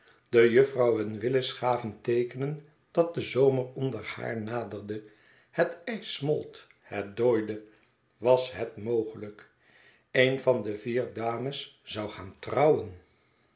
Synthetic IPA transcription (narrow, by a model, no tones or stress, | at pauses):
d̥əjɵfrɑwənʋɪləsχaːvəntejkənən | d̥ɑt̚dəzowmərɔndəɹha̰ːɹnaːdəɹdə | hətɛjsmɔ̰lˠt | hɛt̚doːjdə | ʋɑsɦɛtmowχələk | ejnvɑndəviːɹdaːməsz̥ɑwχaːntrɑwən